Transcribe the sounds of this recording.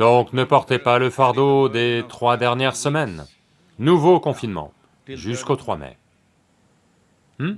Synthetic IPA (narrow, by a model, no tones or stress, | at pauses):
d̪̥ɔ̃knəpɔʁt̪epaləfaʁd̪od̪et̪χwad̪ɛʁnjɛʁsəmɛnː | uvokɔ̃finmɑ̰̃ | ʒyskot̪χwamɛ̰